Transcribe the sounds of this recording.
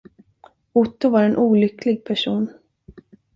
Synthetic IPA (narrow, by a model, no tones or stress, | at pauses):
ʊt̪ːʊvaɾɛnʔuːlʏkʰlɪɡ̚pʰæʂuːn